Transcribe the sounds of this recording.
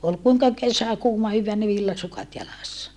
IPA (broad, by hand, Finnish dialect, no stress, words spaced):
ol kuiŋkɑ kesæ kuːmɑ hyʋːæː ni ʋilːɑsukɑt jɑlɑsːɑ